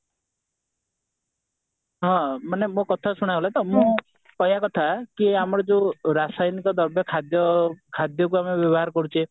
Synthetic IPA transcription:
ɦɔ̃manemõkɔt̪ʰasuɽ̃aɔlat̪ɔmõ | kɔɦjakɔt̪ʰakiamɔɾɔd͡ʒeũɾasajnikɔd̪ɔɾbjɔkʰad̪jɔkʰad̪jɔk̬uamebjɔbɔɦaɾɔkɔɾut͡ʃʰe

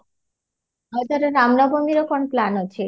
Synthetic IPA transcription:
ɦɔt̪aɾeɾamnɔbomiɾokɔnplanot͡ɕʰe

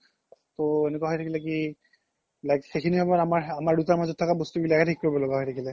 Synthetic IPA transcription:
t̪oenekuaɦɔjtʰakilɛki | lajkxekʰinibabaamaɹamaɹdutaɹmazɔtʰːakabostubilakatʰikːoɹibɔlɔɡaɦɔjtʰakilɛ

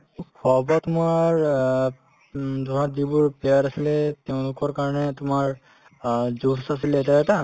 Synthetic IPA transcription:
kʰɔbɔtʊmaɹ | tʊmaɹdibʊɹpɛjaɾasilɛtɛʊ̃lʊkɔɹkaɹɔnɛtʊmaɹ | zusasilɛtaɛta

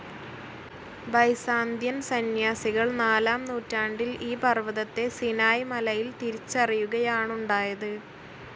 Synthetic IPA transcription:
bɐjsaːnd̪ʱjɐnsɐnjaːsiɣɐɭnaːlaːmnuːtːaːɳɖiliːpɐrʋɐðɐt̪ːe̞sinaːjmɐlɐjilt̪iɾit͡ɕːɐrijuɣɐjaːɳuɳɖaːjɐðɨ

